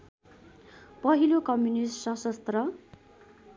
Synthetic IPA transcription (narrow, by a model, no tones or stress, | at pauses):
pʌɦilokʌmjunissʌsʌst̪rʌ